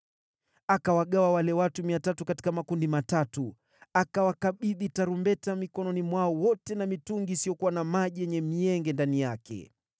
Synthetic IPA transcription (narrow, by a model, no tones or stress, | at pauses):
akawaɠawawalɛwatumiatatukati̥kamakundimatatu | akawakaɓiðitaɾumbɛtamikɔnɔnimwaɔwɔtɛnamituŋɡiːsijɔkuwanamaʄijɛɲɛmiɛŋɡɛndanijakʰɛ̰